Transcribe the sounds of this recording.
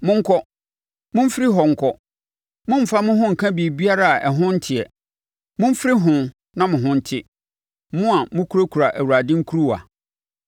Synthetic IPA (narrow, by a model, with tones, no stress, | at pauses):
mʊ̃˦ŋ̩˦kʰɔ˦ | mʊ̃˦m̩˦fɪ˦ɾɪ˦ɦɔ˨ŋ̩˨kʰɔ˦ | mʊ̃˦m̩˨fa˦mʊ̃˦ɦʊ̃˦ŋ̩˨kʰã˦bi˨bi˦a˦ɾa˦a˨ʔɛ˨ɦʊ̃˦n̩˦tʰɪ˨ɛ˨ | mʊ̃˦m̩˦fɪ˦ɾɪ˦ɦʊ̃˨ | nã˦mʊ̃˨ɦʊ̃˦n̩˦tʰɪ˦ | mʊ̃˦a˨mʊ̃˦kʰu˦ɾo˦kʰu˨ɾa˨ʔæ˨wu˨ɾa˨dɪ̃˦ŋ̩˦kʰu˦ɾu˦wa̰˨